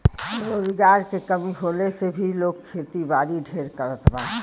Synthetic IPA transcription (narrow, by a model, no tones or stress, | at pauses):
ɾoːzɡaːɾkekəmiɦoːlesebʱiloːɡ̚kʰːeːt̪ibaːɾiɖʱeːɾkəɾət̪ʰbaː